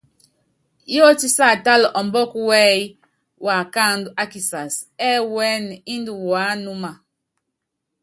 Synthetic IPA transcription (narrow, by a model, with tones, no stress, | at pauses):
jɔ˦ti˦sa˦˨ta˦lʔɔ˨mbɔ˦ku˦wɛ˦j | wa˨ka˦˨ndu˨ʔa˦ki˨sa˨sɛ˦wɛ˦n˨i˦ndu˨waː˨˦nu˦ma˨